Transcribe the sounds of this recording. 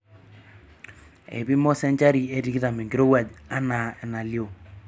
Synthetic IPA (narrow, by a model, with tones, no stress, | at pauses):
ḛ˨bi˦mɔ˦sɛ˦ɲt͡ʃa˦ɾi˨e˦ɾi˦ki˦ða˨me˨ŋɡɪɾo˦wa˨d͡ʒa˦na˨ɛ˨na˨ljo˨